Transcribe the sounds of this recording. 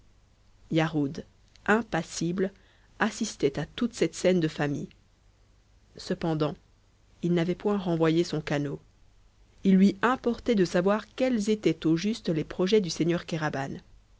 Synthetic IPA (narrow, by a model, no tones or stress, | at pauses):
jaʁud̪ | ɛ̃pasibl | asist̪ɛt̪at̪ut̪sɛt̪sɛnd̪əfamij | səpɑ̃d̪ɑ̃ | ilnavɛpwɛ̃ʁɑ̃vwajesɔ̃kano | ilːɥiɛ̃pɔʁt̪ɛd̪əsavwaʁkʲɛlzet̪ɛt̪oʒyst̪lepχɔʒɛd̪yseɲœʁkʲaʁaban